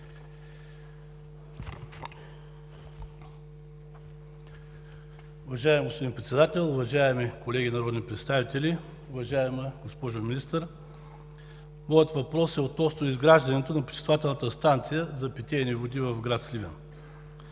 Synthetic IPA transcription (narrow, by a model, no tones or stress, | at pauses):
ʊvɐʒaɛmɡospod̪inpɾɛt̪sɛd̪at̪ɛlˠʊvɐʒaɛmikolɛɡʲinɐɾɔd̪nipɾɛt̪st̪avit̪ʲɛlʲi | ʊvɐʒaɛməɡospɔʒʊminist̪əɾ | mɔjət̪vɐpɾɔsɛot̪nɔst̪oizɡɾaʒd̪ɐnɛt̪onɐpɾi̥ʃɛ̥st̪vovat̪ɛlˠnət̪əst̪ant̪sijəzɐpit̪ʲɛːnivod̪ivɐvɡɾat̪slʲivʲɛ̰n